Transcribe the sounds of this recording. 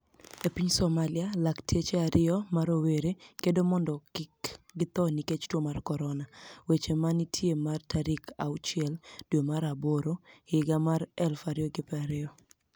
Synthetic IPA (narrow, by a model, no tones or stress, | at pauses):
epiɲsɔmalɪalaktʰet͡ʃeaɾɪɔmaɾoweɾekedomɔndɔkɪkɡɪt̪ɔniket͡ʃtwɔmarkɔɾɔnawet͡ʃemanitʰjemartaɾikʰa̰ut͡ʃɪɛldwemaɾaboɾoɪɡamaɾɛlfaɾɪɔɡɪpɛaɾɪɔ